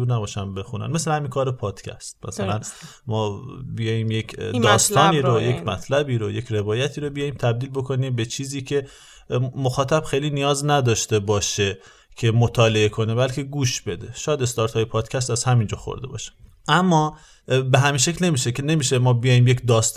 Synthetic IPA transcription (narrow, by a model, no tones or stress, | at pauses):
uɾnæbɒːʃænbe̞xunæ̰nmeslehæminkʰɒːɾepʰɒːd̪̥cʲʰæ̰st̪̚mæ̰sælæn | mɒːbijɒːjiːmjekdd̪ɒːst̪ɒːniːɾojekmæt̪ʰlæbiːɾoje̞cʰɾe̞vɒːjæt̪ʰiːɾobijɒːjiːmt̪ʰæb̚d̪iːlbo̞kʰo̞niːmbet͡ʃʰiːziːcʰe̞ | moxɒːt̪ʰæb̥xejliːnijɒːznæd̪ɒːʃt̪ebɒːʃe̞ | cʰe̞mot̪ʰɒːle̞ekʰo̞nebælkʰe̞ɡuːʃbe̞d̪e̞ʃɒːjæd̪e̞st̪ɒɾt̪ʰhɒːjepʰɒːd̪̥cʰæst̪æzhæmind͡ʒɒːxo̰ɾd̪e̞bɒ̰ːʃe̥ | ʔæmːɒː | beɦæminʃe̞clne̞miːʃekʰene̞miːʃemɒːbijɒːjiːmjecd̪ɒːst̪